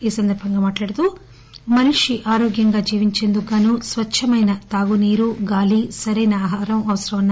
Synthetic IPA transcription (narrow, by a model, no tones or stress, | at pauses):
iːsɐnd̪ɐɾbʱɐŋɡaːmaːʈlaːɽɐt̪u | mɐniʂiʔaːɾoːɡjɐŋɡaːd͡ʒiːʋiɲt͡ʃe̞nd̪uɡaːnusʋɐʃʰɐmɐjnɐt̪aːɡuniːɾuɡaːlisɐɾɐjnɐaːɦaːɾɐmɐʋɐsɐɾɐʋɐnːa